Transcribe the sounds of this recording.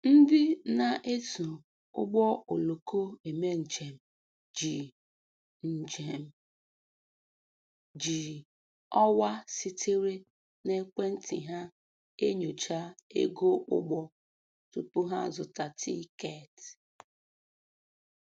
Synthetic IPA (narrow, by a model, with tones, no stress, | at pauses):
n̩˦dɪ˦na˨ʔe˦tu˨ | ʊ̰˦ɡ͡bɔ˦o˨lo˨kʰo˦e˨me˦n̩˨t͡ʃe˨m̩˨ | d͡ʒi˨ | n̩˨d͡ʒe˨m̩˨ | d͡ʒi˨ | ɔ˦wa˦si˦tʰɪ˦ɾe˦ | ne˦kʷe˦n̩˦tḭ˨ɦa˦ | e˦ɲo˨t͡ʃa˦ḛ˦ɡo˦ʔʊ̰˦ɡ͡bɔ˦ | tu˨pʊ˦ɦa˦zʊ˨ta˨tʰḭ˦ke˦˨t